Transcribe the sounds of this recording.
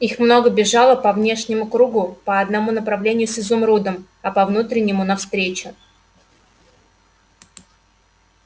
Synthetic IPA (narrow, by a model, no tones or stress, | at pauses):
ixmno̞ɡəbʲɪʐɑlˠəpɐvnʲe̞ʂnʲɪmʊkɾuɡʊpəɐd̪nɐmunəpɾɐvlʲenʲɪjʊsʲɪzumɾud̪əm | ɐpɐvnut̪ɾʲɪnʲːɪmʊnɐfst̪ɾʲet͡ɕʊ